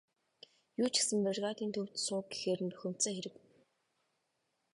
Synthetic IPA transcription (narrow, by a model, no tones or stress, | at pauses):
juːt͡ɕʰɪ̥sɘ̆mperʁaːt̪iːnt̪ʰɵw̥t̪sʊːɡɡe̥xeːɾɘ̆nt̪pɵxɵ̆m̥t͡seːxeɾɘ̆k